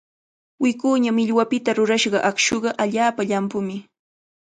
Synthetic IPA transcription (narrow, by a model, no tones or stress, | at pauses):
wɪkuːɲamɪʎwapɪt̪aɾʊɾaʃɢɑʔakʃoɢɑʔaʎaːpaʎampʊmɪ